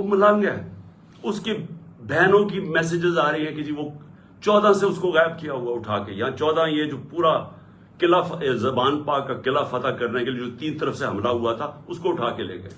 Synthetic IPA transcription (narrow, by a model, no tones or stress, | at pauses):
omələ̃ŋɡɛː | ʊskebɛːnõkimɛːs̬ed͡ʒɪzaːɾəiɦɛ̃ked͡ʒiːʋo | t͡ʃɔːd̪ãseʊskoɣɛːɪb̚kijaɦʊaʊʈʰaːkejɐãt͡ʃɔːd̪ãjed͡ʒoːpuːɾa | kɪlafzɐbaːnpaːkːakɪlafɐt̪akɐɾnekelied͡ʒoːt̪iːnt̪əɾəfseɦɐmlaɦʊat̪ʰaʊskoʊʈʰaːkelḛːɡḛː